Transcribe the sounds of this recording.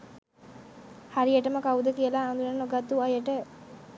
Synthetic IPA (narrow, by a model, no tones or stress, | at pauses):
haɾieʈəməkaud̪əkijəlaːnd̪unanːoɡat̪ːuajəʈə